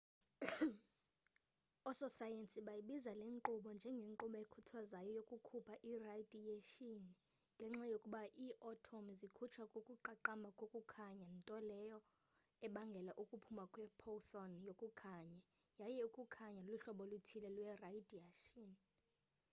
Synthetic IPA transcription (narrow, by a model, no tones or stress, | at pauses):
ɔsɔsajensʼiɓajiɓizaleŋǃuɓɔnd͡ʒʱɛŋɡʱeŋǃuɓɔekʰutʰwazajɔjokʼukʰupʰaʔiradʱieʃin | ŋɡʱɛŋ͡ǁajokʼuɓaʔiːʔɔtʰɔmzikʰut͡ʃʰwakʼokʼuǃaǃamakʼokʼukʰaɲantʼɔlɛjɔ | ɛɓaŋɡʱɛlaʔukʼupʰumakʼwɛpʰɔθɔnjokʼukʰaɲa | jajɛukʼukʰaɲaluɬɔɓɔlutʰilɛlwɛraidiaʃɔn